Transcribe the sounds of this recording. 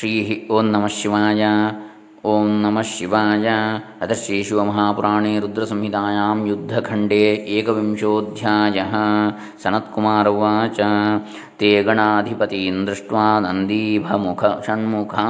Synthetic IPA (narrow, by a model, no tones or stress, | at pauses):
ʃɾiːɦioːnːɐmɐʃjiʋaːjɐ | oːnnɐmɐʃjiʋaːjɐɐt̪ɐʃeːʃuʋɐmɐɦaːpuɾaːɳeːɾud̪ɾɐsɐmɦit̪aːjaːmjud̪ʱːɐkʰɐɳɖeːʔeːkɐʋimʃoːd̪ʱjaːjɐɦɐ̆ | sɐnɐt̪kumaːɾɐʋaːt͡ʃɐ | t̪eːɡɐɳaːɐd̪ʱipɐt̪ind̪ɾiʂʈʋaːnɐnd̪iːbʱɐmukʰɐʃɐɳmukʰɐ